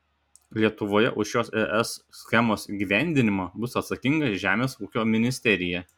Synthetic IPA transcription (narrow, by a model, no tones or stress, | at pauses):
lʲiɛt̪ʊʋoːjɛ̰ʔʊʃjoːsɛʔɛsːʲxʲɛmoːsɡʲiːʋʲæˑnʲd̪ʲɪnʲɪmobʊsɐt̪sɐkʲɪŋɡɐʒʲæːmʲeːsuːkʲoːmʲɪnʲɪsʲt̪ʲɛɾʲɪjɛ